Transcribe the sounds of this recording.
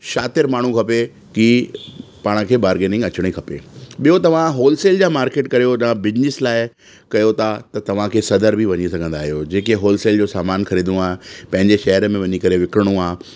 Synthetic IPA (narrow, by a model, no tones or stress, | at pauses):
ʃaːt̪ɪɾmaːɳ̤ũkʰɐpe | ki | paːɽ̃ə̆kʰeːbaːɾɡeːnɪ̃ŋɡɐt͡ɕɪɽ̃ikʰɐpḛːɓijot̪ɐʋ̤ãɦoːlseːld͡ʑaːmaːɾkeːʈkɐɾijoɗãbɪd͡ʑnɪslaːɪ | kɐjot̪ʰat̪ɐt̪ɐʋ̤ãkʰeːsɐd̪əɾbʱiʋɐɲisɐɡʱə̃nd̪aːɦijod͡ʑeːkeɦoːlseːld͡ʑoːsaːmaːnkʰɐɾiːd̪d̪ũaːɦepɐ̃ɦɪɲd͡ʑeʃɐɦəɾmẽʋɐɲikɐɾeʋɪkɾəɽ̃ũaː